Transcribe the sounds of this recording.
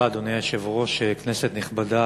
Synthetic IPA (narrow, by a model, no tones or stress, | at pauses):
aːd̪o̞nejaʃevʁo̞ʃekneset̪niχbada